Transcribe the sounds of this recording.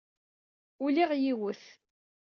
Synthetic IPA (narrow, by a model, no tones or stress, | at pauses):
ʊliʁjiwəθ